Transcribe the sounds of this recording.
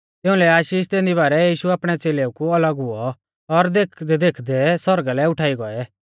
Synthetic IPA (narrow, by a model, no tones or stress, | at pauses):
t̪ɪ̃ʊ̃lɛaːʃiːʃt̪eːnd̪iβaːɾɛjiːʃuaːpɽ̃ɛt͡seːleukuɐləɡɦʊɔ | ɔɾd̪ekʰd̪ɛd̪ekʰd̪ɛsɔɾɡalɛʊʈʰaːiɡɔɛ